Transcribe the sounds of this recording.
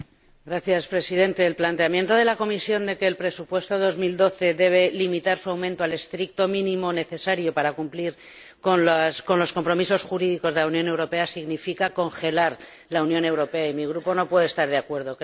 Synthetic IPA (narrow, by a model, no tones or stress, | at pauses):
ɡɾaθjaspɾe̞siðe̞nt̪e̞ːlplant̪e̞amje̞nt̪o̞ðe̞lako̞misjo̞nd̪e̞ke̞ːlpɾe̞supwe̞st̪o̞ð̞o̞zmild̪o̞θe̞ðe̞β̞e̞limit̪aɾsuawmẽnt̪oale̞st̪ɾik̚t̪o̞mĩnĩmo̞ne̞θe̞saɾjo̞paɾakumpliɾ | konasko̞nlo̞sko̞mpɾo̞miso̞sxuɾiðiko̞zðelaunjo̞newɾo̞pe̞asiɣnifikako̞ŋxe̞laɾ | launjõ̞ne̞wɾo̞pe̞aimiɣ̞ɾupo̞no̞pwe̞ðest̪aɾðeakwe̞ɾð̞o̞k